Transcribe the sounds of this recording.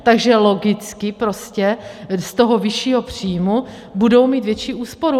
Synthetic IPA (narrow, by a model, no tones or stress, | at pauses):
t̪aɡʒɛlo̞ɡɪt͡skɪpɾo̞scɛst̪o̞ɦovɪʃiːɦo̞pr̝̥iːjmu | budowmiːt̪vjɛt͡ʃiːʔuːspoɾu